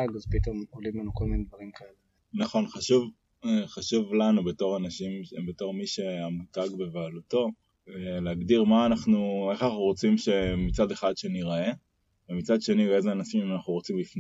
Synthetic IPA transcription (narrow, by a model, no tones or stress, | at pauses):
aɡazpit̪omolimlanukolminedvaʁimkaele | naχo̞nχaʃuv | eχaʃuvlanubeto̞ʁanaʃimbeto̞ʁmiʃeamutaɡbe̞vealuto̞ | veleaɡdiʁmaːnaχnue̞χanaχnuʁo̞t͡simʃe̞mit͡sad̪e̞χad̪ʃeniʁae̞ | vemit͡sad̪ʃe̞nie̞zeanaʃimimanaχnuʁo̞t͡simlifn